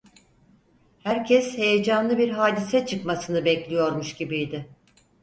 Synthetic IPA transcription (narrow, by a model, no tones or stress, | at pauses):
hæɾcʰɛshe̞jed͡ʒanlˠɯbiɾɦaːd̪isɛt͡ʃʰɯkmasɯnɯbɛclʲijo̞ɾmuʃɟibijd̪ɪ